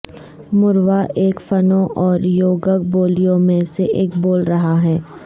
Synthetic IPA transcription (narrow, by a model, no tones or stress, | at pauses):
mʊɾʋaʔeːkfɐnõʔɔːɾjoːɡək̚boːlijõmẽseʔeːkboːlɾɐɦaɦɛː